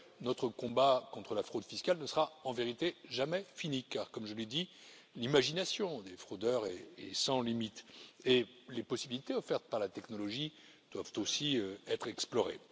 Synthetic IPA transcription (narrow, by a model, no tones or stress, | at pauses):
nɔt̪χəkɔ̃bakɔ̃t̪χəlafχod̪fiskalnəsəʁaɑ̃veʁit̪eʒamɛfinikaʁkɔmʒəled̪i | limaʒinasjɔ̃d̪efχod̪œʁɛːsɑ̃limit̪e | lepɔsibilit̪eɔfɛʁt̪paʁlat̪ɛknɔlɔʒi | d̪̥wavt̪osiøɛt̪χɛksplɔʁḛ